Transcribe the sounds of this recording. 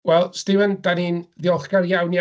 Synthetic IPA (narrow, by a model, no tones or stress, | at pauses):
wɛlˠstɪvəndaninðɪɔlˠχɡaɾjawnja